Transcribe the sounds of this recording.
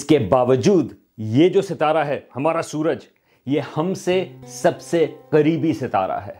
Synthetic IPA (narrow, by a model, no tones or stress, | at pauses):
ɪskebaːʋəd͡ʒuːd̪ | jed͡ʒoːsɪt̪aːɾaɦɛːhɐmaːɾasuːɾəd͡ʒ | jehɐmsesɐbseqɐɾiːbisɪt̪a̰ːɾa̰ɦɛ̰ː